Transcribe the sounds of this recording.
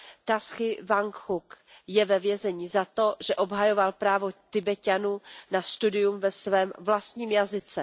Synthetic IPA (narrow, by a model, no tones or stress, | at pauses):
t̪asxɪvaŋkhuk | jɛvɛvjɛzɛɲizat̪o̞ʒɛʔo̞bɦajo̞valpɾaːvot̪ɪbɛcanuːnast̪udɪjumvɛsvɛːmvlast̪ɲiːmjazɪt͡sɛ